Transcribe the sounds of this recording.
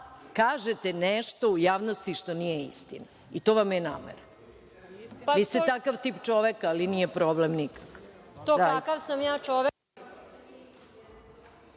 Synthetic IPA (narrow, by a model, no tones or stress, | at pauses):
kaːʒet̪enɛʃt̪o̞ujaːʋnost̪iʃt̪o̞nijeḭst̪ḭna | it̪o̞ʋamjena̰ːmḛɾa | aʋiːst̪et̪akaʋt̪ipt͡ʃoʋekaːlinijepɾoblemnikḁk | t̪oakaʋsamjaːt͡ʃoʋe